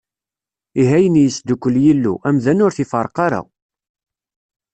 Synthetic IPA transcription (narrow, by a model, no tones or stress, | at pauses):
iɦæjənjəsd̪ukʷːəljilːṵʔæmðænʊɾθifəɾˤqɑɾa̰